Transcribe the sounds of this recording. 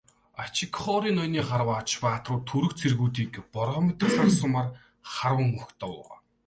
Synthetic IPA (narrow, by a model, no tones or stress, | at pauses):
at͡ɕʰikχɔɾiːnɔjniːχaɾwaːt͡ɕpaːt̪rʊːt̪ʰɵɾɵ̆xt͡sʰerɣuːt̪iːkpɔɾʁɔmet̪̆rsarsʊmaːr | χaɾwə̆ŋːɵxxt̪ʰɔ̰ːʁɔ̰ː